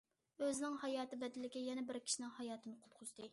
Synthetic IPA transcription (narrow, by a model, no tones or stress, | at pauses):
øznɪŋhɑjɑːt̪ɨbɛd̪ɪlɪɡʲɛjɛnɛbɪɾkʲʰi̥ʃinɪŋhɑjɑːt̪ʰɨnɨqʰʊ̥t̪̚qʰʊzd̪ɨ